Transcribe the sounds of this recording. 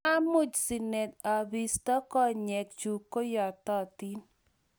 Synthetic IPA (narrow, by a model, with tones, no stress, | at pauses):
a˦mʊ˦˨d͡ʒsi˨nɛ˨ta˨bi˨stɔ˦kɔ˦ɲɛ˨k̚t͡ʃu˨kːo˦jɔ˨tɔ˦ti˦n